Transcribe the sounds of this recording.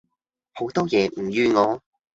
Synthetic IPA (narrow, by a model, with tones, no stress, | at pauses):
ho˨˧˥wt̪ɔː˥jɛː˨˧m̩˨˩jyː˧ŋɔː˨˧